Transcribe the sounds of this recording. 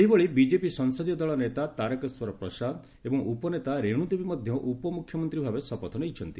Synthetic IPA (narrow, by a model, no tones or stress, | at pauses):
eɦiboɭibid͡ʒepisɔŋsɔd̪ijɔd̪ɔɭɔnet̪at̪aɾekɔswɔɾɔpɾɔsad̪ | ebɔŋupɔnet̪aɾeɽ̃ud̪ebimɔd̪ʱjɔʔupɔmukʰjɔmɔnt̪ɾibʱabesɔpɔt̪ʰɔnejt͡ʃʰɔnt̪i